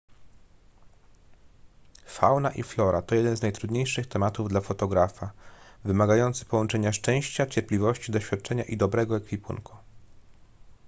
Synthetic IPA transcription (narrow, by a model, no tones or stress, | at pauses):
fa̰wnaʔiflɔɾat̪ɔjɛd̪ɛnznajt̪ɾud̪ɲejʂɘxt̪ɛmat̪uvd̪lafɔt̪ɔɡɾafavɘmaɡajɔnt̪sɘ̥pɔwɔnt͡ʂɛɲaʂt͡ʂɛ̃w̃ɕt͡ɕat͡ɕɛɾpʲlʲivɔɕt͡ɕid̪ɔɕfʲjat̪̚t͡ʂɛɲaʔid̪ɔbɾɛɡɔɛkfʲipṵnku̥